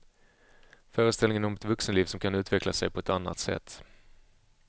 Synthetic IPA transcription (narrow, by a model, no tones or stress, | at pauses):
fœːɾəst̪ɛlɪŋənɔmɛt̪vɵksənliːvsɔmkʰanʉ̟ːt̪ʰvɛkʰlasɛ̰jpʰɔɛt̪anːa̰t̪sɛ̰t̪ː